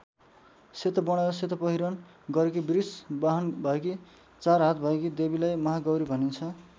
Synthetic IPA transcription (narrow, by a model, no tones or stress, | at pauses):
set̪ʌbʌɽ̃ʌɾʌset̪ʌpʌɦiɾʌn | ɡʌɾek̬ibrisbaɦʌnbʱʌeki | t͡sarɦat̪̚bʱʌekid̪ebilajmʌɦaɡʌwɾibʱʌnint͡sʰʌ